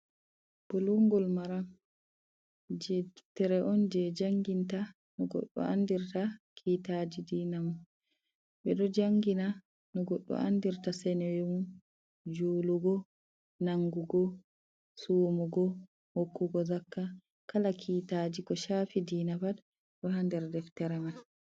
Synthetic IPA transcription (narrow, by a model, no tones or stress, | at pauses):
b̥ɔlɔŋɡɔlmaɾam | d͡ʒɛtɛɾɛʔɔnd͡ʒɛd͡ʒaŋɡinta | nɔɡɔ̰ɗːɔ̰ʔandiɾtakʰiːtad͡ʒidiːnamun | ɓɛɗɔd͡ʒaŋɡina | nɔɡɔɗːɔ̰a̰ndiɾtasɛnɛwemun | d͡ʒuːluɡɔ | naŋɡuɡɔ | suwmuɡɔ | hokːuɡɔzakːa | kalakʰiːtad͡ʒikɔʃaːfidiːnabad | ɗɔhandɛɾdɛftɛɾɛman